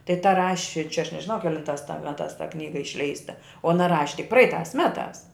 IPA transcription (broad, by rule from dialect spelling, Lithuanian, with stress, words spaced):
tɐɪ tɐ ˈrɑːʃʲɪ t͡ʃʲɛ ɐʃ nʲɛʒʲɪˈnɐʊ kʲɛˈlʲɪntɑːs tɐ ˈmʲæːtɑːs tɐ ˈknʲiːɡɐ ɪʃʲˈlʲɛɪstɐ oː ɐˈnɐ ˈrɑːʃʲɪ tʲɪk ˈprɐɪtɑːs ˈmʲæːtɑːs